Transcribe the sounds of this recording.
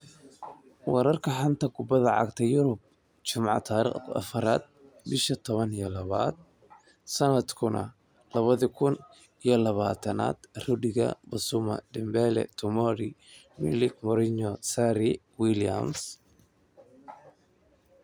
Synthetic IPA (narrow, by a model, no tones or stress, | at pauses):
wɑɾɐrkʰɐħɑnt̪ʰɐɡʊbɐðɐʕɑ̰ɡt̪ʰɛjʊɾʊb̚ | t͡ʃʊmʕɑ̰t̪ʰaːɾḭqɐ̰fɐɾa̰ːd̪̚ | bɪʃɐt̪ʰɔβɐnijɔlɐβa̰ːd̪̚ | sɐnɐd̪kʰʊnɐ̰ | lɐβɐðɐkʰʊn | ijɔlɐβaːt̪ʰɐna̰ːd̪̥rʊɖɪɣɐ̰bɐsʊmɐ̰ɖɪmbɛlɛ̰t̪ʰʊmɔɾɪ | mɪ̰lɪkmɔɾɪɲɔsaɾɪ | wilija̰ms